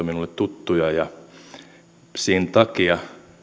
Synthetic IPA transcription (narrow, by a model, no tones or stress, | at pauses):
ominulːet̪t̪ut̪ːujɑjɑ | siːnt̪ɑkiɑ